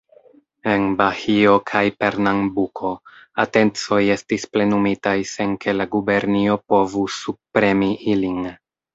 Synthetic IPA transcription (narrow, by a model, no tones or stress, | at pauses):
e̞nbahio̞kʰajpe̞ɾnaŋbukʰo̞ate̞nt͡so̞je̞stisple̞numitajse̞nke̞laɡube̞ɾnio̞po̞vusub̚pɾe̞miʔilin